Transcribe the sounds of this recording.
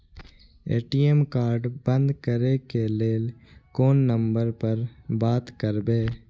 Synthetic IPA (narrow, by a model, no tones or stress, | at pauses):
eːʈiːemkaːɾɖbə̃nd̪kəɾekeleːlkoːnːə̃mbəɾpəɾbaːt̪kəɾbeː